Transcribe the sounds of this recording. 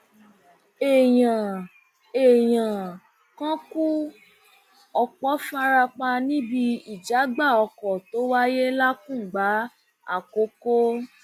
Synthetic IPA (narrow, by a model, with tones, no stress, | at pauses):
e˨j̃ã˨ | e˨j̃ã˨ | kã˦ku˦ | ɔ˧k͡pɔ˨˦fa˦ɾa˧k͡pa˧nĩ˦bi˧i˨d͡ʒa˨˦ɡ͡ba˦˨ɔ˧kɔ˨to˨˦wa˦je˦la˦kũ˦˨ɡ͡ba˨˦ | a̰˦˨ko˨˦ko˦